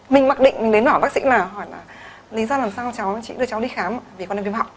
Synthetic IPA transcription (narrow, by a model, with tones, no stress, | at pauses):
mï˨˩ŋ̟ma˨˩k̚ɗḭ̈˧˨ŋ̟mï̟˨˩ɗe˨˦nwa˧˩ɓaː˦˥k̚sḭ˧˥laː˨˩ɦɔ˧˩jlaː˨˩ | li˨˦zɔ˧laː˨˩msaː˧t͡ɕa˨˦wt͡ɕḭ˧˨ɗɨ˧˩ət͡ɕa˨˦wɗi˧xaː˨˦m˨vi˨˩kɔ˧˦ne˧˩vi˧˦mha̰˧˨wŋ͡m